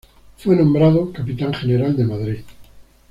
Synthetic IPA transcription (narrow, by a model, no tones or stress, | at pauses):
fwenõmbɾað̞okapit̪aŋχeneɾald̪emaðɾið